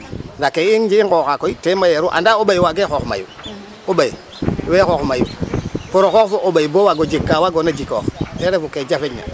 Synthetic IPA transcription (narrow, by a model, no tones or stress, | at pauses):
ndakeiŋd͡ʒiŋkokakoitemajeɾuʔa̰ndaoɓajwaɡexoxma̰jṵ | obaji | wexoxmajṵpoɾoxokfoʔoɓaibowaɡod͡ʒekːawaɡonad͡ʒiko̰xeɾefuked͡ʒafeɲa̰